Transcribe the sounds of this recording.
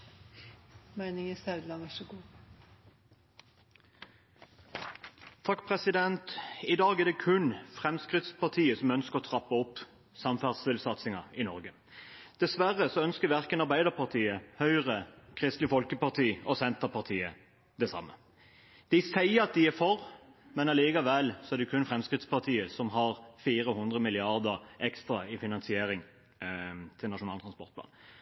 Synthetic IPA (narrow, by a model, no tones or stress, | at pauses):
mæɪnɪŋəsɑʉd̪lɑnʋæʂəɡuː | t̪ʰɑkːpʰʁɛsɪd̪ɛnt̪ɪd̪ɑːɡæd̪ɛkʰʉnfʁɛmskʁɪt̪spɑʁt̪ʰiːəsɔmœnskəʁɔt̪ʰʁɑpːəɔpː | sɑmfæːʁst̪ɪlsɑt̪sɪŋɑɪnɔʁɡə | d̪̥ɛsʋæʁəsɔœnskəʋæʁkənɑʁbæɪd̪əʁpɑʁt̪ʰiːəhœʏʁəkʰʁɪst̪lɪfɔlkəpɑʁt̪ʰiːɔsɛnt̪əpɑʁt̪ʰiːə | d̪̥ɛsɑ̰mːə | d̪̥ɪsæɪəɑt̪̚d̪ɪæɾfɔɾmɛnɑliːɡɑʋɛlːsɔɛʁd̪ɛkʰʉnfɾɛmskɾɪt̪spɑʁt̪ʰiːəsɔmɦɑʁfiːɾəhʉnd̪ʁəmɪlɪɑʁd̪əʁʔɛkst̪ʁɑɪfɪnɑnsɪeːɾɪŋ | t̪ʰɪlnɑʂʊnɑːlt̪ʰʁɑnspɔʁt̪pʰlɑ̰ːn